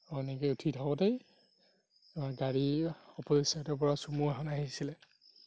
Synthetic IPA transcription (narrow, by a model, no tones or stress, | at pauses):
ɔnɛkɛutʰitʰabɔtej | aɡaɹiɔpɔzisatɛpɔɹasumuɛɦɔnaɦisilɛ